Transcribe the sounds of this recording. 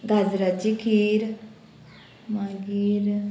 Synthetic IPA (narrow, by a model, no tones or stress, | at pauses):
ɡad͡ʒɾat͡ʃikʰiːɾ | maɡiːɾ